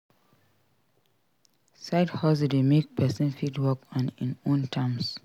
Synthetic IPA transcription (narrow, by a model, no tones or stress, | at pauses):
saɪdhɔsdemek̚pɛsə̃nfitwɔkɔ̃nḭ̃nõntʰãms